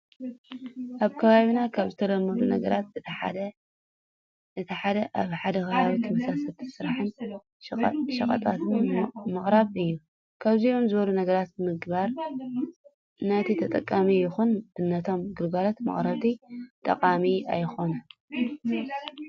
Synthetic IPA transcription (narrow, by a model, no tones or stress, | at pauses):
ʔaβkʰɐβaβinakʰaβzɨt̪ʰɐd̪ɐmːɐd̪unɐ̰ɡɐɾat̪ | ɨt̪ʰɐħad̪ɐʔaβħad̪ɐxɨβaβit̪ʰɐmɐsasɐlt̪ʰisɨɾaħɨn | ʃɐkʼɐ̰t̪ʼat̪ɨnmɨχʼɾaβɨjːu | kʰaβzio̞mzɨβɐlunɐɡɐɾat̪̚bɨmɨɡβaɾ | nat̪ʰit̪ʰɐt̪ʼɐkʼːamijɪxunɨnːɐt̪ʰo̞mɡɨlɡalot̪mɐ̰χʼɾɐβt̪ʰit̪ʼɐ̰qʼamia̰jxo̞nɐ